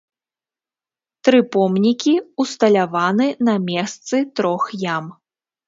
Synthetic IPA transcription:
t̪ɾɨpɔmnʲikʲiust̪ɐlʲavanɨnɐmʲɛst̪sɨt̪ɾɔxjam

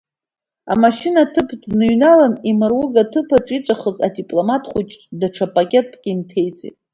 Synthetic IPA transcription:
a̰maʃɪnatʰɨpʰdnɨɥnalanimɨrwʊɡatʰɨpʰaʈ͡ʂʼit͡sʷʼaχəza̰dipʼlo̞matʰχʷut͡ʃʼdaʈ͡ʂʰapʼakʲʼe̞tʼɡʲʼimtʰe̞jt͡sʼḭtʼ

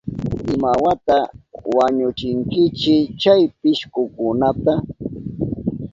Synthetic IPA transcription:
ɪmawat̪awaɲʊt͡ʃɪŋkɪt͡ʃɪt͡ʃajpɪʃkʊkʊnat̪a

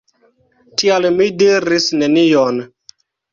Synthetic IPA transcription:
tialmidiɾisne̞nijon

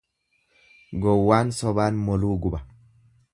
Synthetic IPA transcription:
ɡɔwːaːnsɔβaːnmɔluːɡuba

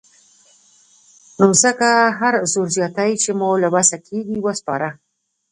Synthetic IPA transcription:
nozəkaɦaɾzoɾzjɑt̪ajt͡ʃemolabasakʰeɡiwəspɑ̰ɾa

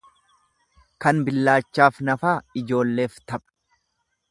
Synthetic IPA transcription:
kɐnbɪlːaːt͡ʃːaːfnɐfaːɪd͡ʒo̞ːlːe̞ːft̪ɐpʼɐ̥

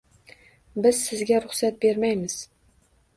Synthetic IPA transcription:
bɪzsɪzɡʲaɾʊχsat̪̚be̞ɾmajmɪz̥

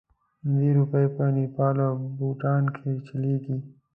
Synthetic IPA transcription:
nd̪iɾupəepənipɑːlobuʈɑːnkʰet͡ʃaleɡi

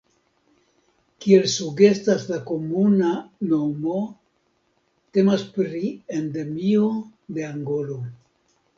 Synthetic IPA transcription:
kie̞lsuɡe̞staslako̞munano̞mo̞ | te̞maspɾiende̞miode̞aŋɡo̞lo̞

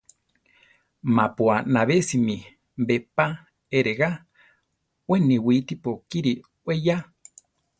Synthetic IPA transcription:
mapuanaβesimĩ | mbepa | eɾeɣa | weniwit̪ipokiɾi | weja

